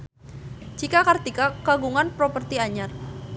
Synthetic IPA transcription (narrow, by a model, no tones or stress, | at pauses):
d͡ʒikakart̪ikakaɡuŋanpɾɔpərt̪iaɲar